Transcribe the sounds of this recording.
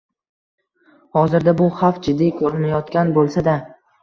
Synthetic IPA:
hɒzɪɾd̪abʊχafd͡ʒɪd̪ːikʰɵɾɪmajɒt̪kʲanbolˠsad̪a

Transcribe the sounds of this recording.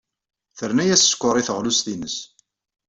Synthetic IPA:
θəɾnæjæsːkʷːʊɾˤiθəʁlusθinəs

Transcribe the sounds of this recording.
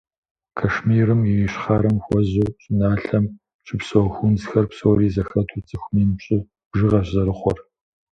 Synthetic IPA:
kʰɐʂmiːɾɨmɪwiɕχɑːɾɐmxʷɔʑuːɕʼɪnaːɬɐm | ʈ͡ʂʼɨpsɐwɐxʷʊnzxɐrpsɐwriːzɐxɐtʰʊrt͡sʼɨxʷmiːnɨpɕʼɪ | b̥ʒɨʁɐɕɐɾɨχʷɔr

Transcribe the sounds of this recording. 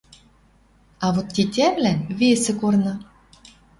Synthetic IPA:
ɑβot̪ːitʲæβlænβesĕkornɤ̆

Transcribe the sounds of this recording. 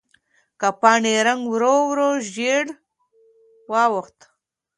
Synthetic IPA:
kapɑːɳeɾaŋɡwɾowɾoʒeɽ | wɑwəxt̪

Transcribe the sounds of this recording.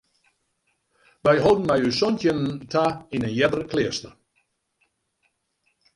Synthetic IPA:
ʋɛjɦodn̩mɛjysɔntjənəntʰainənjɛdərəkʰlɪəstər

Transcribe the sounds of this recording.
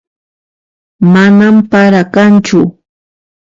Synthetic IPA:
manampaɾakant͡ʃʊ

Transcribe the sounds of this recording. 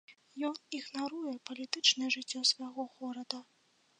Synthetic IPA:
jɔniɣnaɾujɛpɐlʲit̪ɨt͡ʂnɨjɛʐɨt͡sʲːɔsvajɣɔɣɔɾɐd̪ɐ

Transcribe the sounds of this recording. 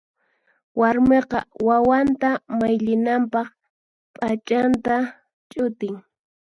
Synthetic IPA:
waɾmeqɑ̰wawant̪amajʎɪnampɑχ | pʼat͡ʃʼant̪a | t͡ʃʼʊt̪ɪŋ

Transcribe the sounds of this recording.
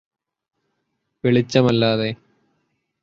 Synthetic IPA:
ʋeɭit͡ɕːɐmɐlːaːðe

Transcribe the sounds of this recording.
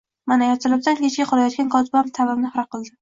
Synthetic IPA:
manajɒt̪ʰɪlɪb̚d̪ankʲʰet͡ʃkʲaqʰɒlajɒt̪kʲankʰɒt̪ɪbamt̪ʰavɪmnɪhɾaqʰɨlˠd̪ɪ

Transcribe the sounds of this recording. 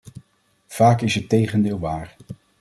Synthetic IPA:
v̥aːkɪsɦətejχəndɪːlˠʋaːɹ

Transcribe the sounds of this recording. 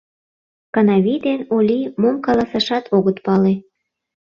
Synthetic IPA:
kɑnɑβid̪enolʲimomkɑlɑsɑʃɑt̪ʰoɣət̪pɑle

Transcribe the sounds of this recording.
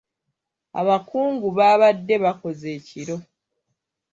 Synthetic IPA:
a̰βakuːŋɡuβaːβadːe̞βako̞ze̞ːciɾo̞

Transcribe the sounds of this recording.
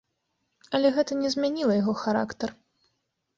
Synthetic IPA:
ɐlʲɛɣɛt̪ɐnʲɛzʲmʲanʲilˠɐjaɣɔxaɾa̰kt̪ɐr

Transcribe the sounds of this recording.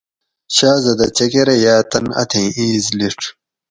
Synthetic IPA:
ɕaːzɐd̪ɐt͡ɕɐkeɾɐjaːt̪ɐnɐ̰t̪ʰẽːiːzliʈ͡ʂʰ

